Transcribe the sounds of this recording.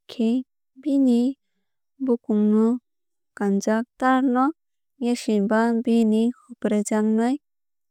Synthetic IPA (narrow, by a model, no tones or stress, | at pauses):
kʰe | bini | bukumnu | kand͡ʒak̚t̪aɾnɔ | jeʃibabinikʰupɾed͡ʒannɔj